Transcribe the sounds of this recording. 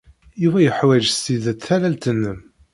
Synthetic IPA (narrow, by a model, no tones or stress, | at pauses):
juvæjəħwæʒst̪iðæt͡sθælælt̪ənːəm